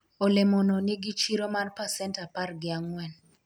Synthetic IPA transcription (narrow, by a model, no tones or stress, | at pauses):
olemonɔneɡit͡ʃiɾomarpasɛntaparɡɪaŋwɛn